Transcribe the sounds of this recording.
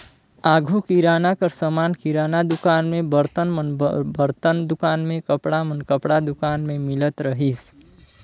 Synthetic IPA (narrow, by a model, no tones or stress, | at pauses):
aːɡʱukiɾaːnakəɾsəmaːnkiɾaːnad̪ʊkaːnmẽbəɾt̪ənmənbəɾt̪ənd̪ʊkaːnmẽkəpɽamənkəpɽad̪ʊkaːnmẽmɪlət̪ɾəɦis